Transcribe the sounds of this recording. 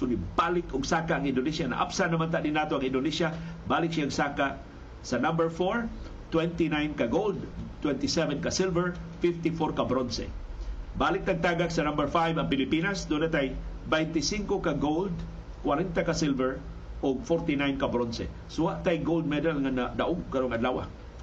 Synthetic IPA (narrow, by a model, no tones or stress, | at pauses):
kʊnibalɪkʊɡsaːkaʔaŋɪnd̪onisjana̰ʔa̰psanamant̪aʔd̪ɪnaːt̪oʔaŋɪnd̪onisjabaːlɪk̚saːŋsaːkaʔ | sanambɛɹfoɹ | t̪wɛnt̪inajnkaɡowld̪̚t̪wɛnt̪isɛvɛnkasilvɛɹfɪft̪ifoɾkabɾonsɛ̰ | balɪk̚t̪aɡ̚t̪aɡaksɐnambəɹfajvaŋpɪlipinasd̪unat̪ajbajnt̪isiŋkokaɡowld̪ | kwaɾɛnt̪akasɪlvɛɹ | ʔʊɡ̚foɾt̪inajnkabɾonsɛ̰ | sowaʔt̪ajɡowld̪̚mɛd̪alŋanad̪aʔʊɡkaɾoŋadlaːwa̰